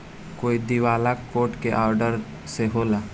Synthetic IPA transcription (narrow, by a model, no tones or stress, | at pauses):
koːid̪iʋaːlakoːʈkeʔaːɾɖəɾ | seɦoːlaː